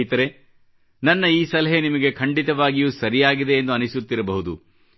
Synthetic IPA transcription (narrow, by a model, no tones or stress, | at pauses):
it̪ɐɾe | nɐnːɐiːsɐlɐɦenimɐɡe̞kʰɐɳɖit̪ɐʋaːɡijuːsɐɾijaːɡid̪e̞ːnd̪uɐnisut̪ːiɾɐbɐɦud̪ṵ